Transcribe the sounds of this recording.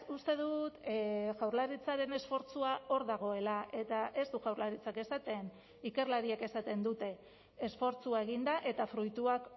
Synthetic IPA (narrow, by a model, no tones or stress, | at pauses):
ust̪e̞ðut̪ʝawɾlaɾit͡saɾe̞ne̞sfo̞ɾt͡suao̞ɾðaɣ̞o̞e̞laʔe̞t̪aʔe̞zt̪uʝawɾlaɾit͡sake̞sat̪e̞n | ike̞ɾlaɾiake̞sat̪e̞nd̪ut̪e̞ː | sfo̞ɾt͡suae̞ɣ̞ind̪aʔe̞t̪afɾujt̪uak